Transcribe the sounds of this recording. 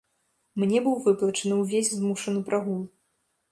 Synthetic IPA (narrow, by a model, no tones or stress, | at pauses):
mnʲɛbɨwvɨplˠɐt͡ʂɐnɨwvʲesʲzmuʂɐnɨpɾʔaɣulˠ